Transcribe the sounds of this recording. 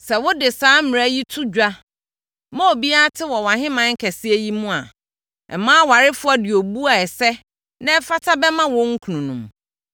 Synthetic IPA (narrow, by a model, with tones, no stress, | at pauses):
sɛ˨wʊ˦dɪ˨saː˦m˨a˦ji˦tʰu˦d͡ʑᶣa˦ | mɔ̃˦o˨bi˦a˦tʰɪ˦wɔ˨wã˨ɦɪ̃˦mã˦ŋ̩˦kʰɛ˨sɪ˦e˦ji˦mũ˦a̰˨ | ɛ̰˨mãː˦wa˨ɾɪ˦fʊ˦a˦dɪ˨o˨bu˦a˨ɛ˨sɛ˦ | nã˦ɛ˦fa˦tʰa˦bɛ˦mã˦wɔ̃˦ŋ̩˦kʰu˨nũ˨nṵ̃˨m